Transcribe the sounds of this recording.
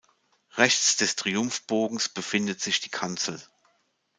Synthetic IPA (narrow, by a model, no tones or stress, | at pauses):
ʁɛçt͡sd̥ɛstʁ̥iʊmfb̥oːɡŋ̩sb̥əfɪndətz̥ɪçd̥iːkʰant͡sl̩